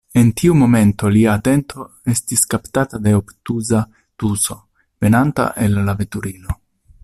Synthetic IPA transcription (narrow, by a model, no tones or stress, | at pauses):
e̞ntʰiumo̞me̞nto̞liaːte̞ntʰo̞ | e̞stiskaptatade̞optuza | tuso̞ | ve̞nanta̰ʔe̞lːavetuɾino̞